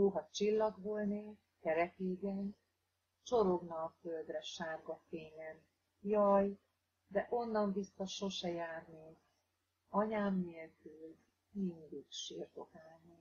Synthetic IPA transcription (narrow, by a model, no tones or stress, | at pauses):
oːɦɒt͡ʃilːɒɡɦolne | kɛɾɛkeːɡɛn | t͡ʃo̞ɾo̞ɡnɒføld̪rɛʃaːrɡɒfeːɲɛn | jɒj | d̪ɛʔo̞nːɒɱvisːɒʃo̞ʃɛjaːrni | ɒɲaːmːelkyl | mind̪iɡʃiːrt̪o̞kaːlni